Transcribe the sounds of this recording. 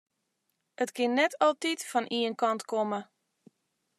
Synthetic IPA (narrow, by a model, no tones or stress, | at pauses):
ʔətkɪnːɛtʰɔlˠtitfɔnʔiənkɑntkomə